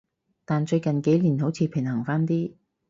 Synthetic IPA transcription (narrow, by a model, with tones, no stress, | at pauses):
t̪aː˨nt͡ʃɵ˧ɥkɐ˨nke˨˥jliː˨˩nho˨˥wt͡sʰiː˧pʰɪ˨˩ŋhɐ˨˩ŋfaː˥nt̪iː˥